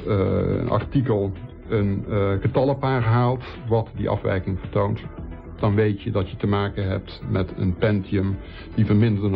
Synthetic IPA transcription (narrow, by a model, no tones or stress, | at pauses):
ə̰nɑ̰rtikəlˠ | ənɣətɑləpaːrɦaːlˠt | ʋɑtdḭʔɑ̰fʋɛ̰jkɪŋvərtownt | d̥ɑnʋejtjədɑtjətəmaːkənɦɛ̰p̚tmɛtə̰npɛntiəm | d̥ivərmɪndərən